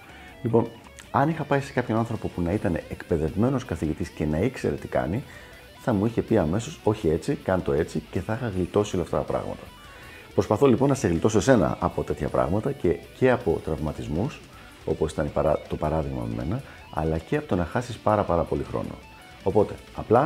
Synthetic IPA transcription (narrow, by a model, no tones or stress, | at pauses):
lipo̞n | ɐnixɐpɐise̞̥kɐpço̞nɐnθɾo̞po̞punɐit̪ɐne̞̰ʔekpeðe̞vme̞noskɐθiʝit̪isce̞nɐikse̞̰ɾe̞t̪i̥kɐ̰ni | θɐmuiçe̞piɐme̞so̞so̞çie̞t͡sikɐnt̪o̞e̞t͡sice̞θɐixɐɣlit̪o̞siolɐft̪ɐ̰t̪ɐpɾɐ̰ɣmɐ̰t̪ɐ̥ | pɾo̞spɐθo̞lipo̞nːɐse̞ɣlit̪osose̞nɐ̰ʔɐpo̞t̪e̞t̪çɐpɾɐ̰ɣmɐt̪ɐce̞ce̞ɐpo̞t̪ɾɐvmɐt̪izmus | o̞̰posi̥t̪ɐnipɐt̪o̞pɐɾɐðiɣmɐ̰mḛme̞̰nɐ | ɐ̰lɐce̞ɐpot̪o̞nɐxɐsispɐɾɐpɐɾɐpo̞lixɾo̞̰no̞̰ | opo̞t̪e̞ | ɐplɐ